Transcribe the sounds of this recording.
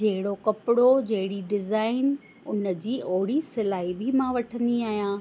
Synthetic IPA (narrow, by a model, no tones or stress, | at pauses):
d͡ʑɐɦɪɽokɐpɪɽod͡ʑɐɦɪɽiɖɪzaːɪn | ʊnə̆d͡ʑiːʔoɦɽisɪlaːɦibʱɪmãʋɐʈʰə̃nd̪iaːɦijãː